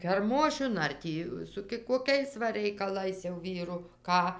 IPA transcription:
kʲɛrˈmoːʃʲʊn ɐr ˈtʲiː sʊ koːˈkʲɛɪs ʋɐ rʲɛɪkɐˈlˠɐɪs jɛʊ ˈʋʲiːrʊ ˈkɑː

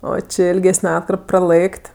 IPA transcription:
ˈoː ˈt͡ʃʲɪ ɪlʲˈɡʲæːsʲnʲɛ ˈɑːtkɐrp prɐˈlˠɘkʲtʲ

